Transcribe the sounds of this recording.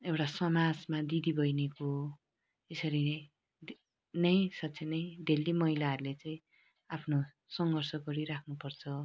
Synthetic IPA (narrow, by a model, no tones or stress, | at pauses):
ewʈasʌmad͡zmad̪id̪ibʱʌjneko | esʌɾi | nʌj̃sʌtt͡sʰenʌj̃d̪ʱelːimʌɦilaɦʌɾulet͡saĩ | apʰno | sʌŋɡʱʌrsʌɡʌɾiɾakʰnupʌrt͡sʰʌ